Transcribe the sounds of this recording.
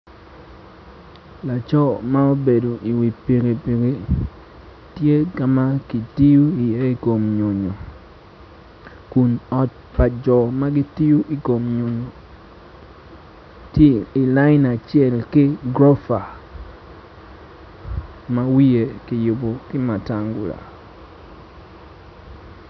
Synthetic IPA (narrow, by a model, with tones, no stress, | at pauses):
la˨t͡ʃɔ˦ma˦o˦be˨do˨ʔi˨wi˨pi˨ɡi˨pi˨ɡe˨ | tje˦ka˨ma˦ki˨ti˦ju˦i˨je˦i˦˨ko˨mɲo˨ɲo˨ | ku˨nɔ˨t̚ | pa˨d͡ʒɔ˨ma˦ɡi˦ti˦ju˦ʔi˨ko˨mɲo˨ɲo˨ | te˦i˨la˦ɪ˦na˨t͡ʃɪ˦ɛ˦˨lkɪ˦ɡɾo˦fa˨ | ma˦wi˦e˨ki˨jʊ˨bo˨kɪ˦ma˨ta˦ŋɡu˨la̰˨